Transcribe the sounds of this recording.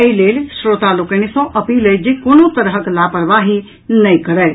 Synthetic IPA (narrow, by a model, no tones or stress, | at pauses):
əileːlsɾoːt̪alokənisõʔɐpiːləd͡ʒekonot̪əɾɦəklaːpəɽʋaɦi | nəĩkəɾəː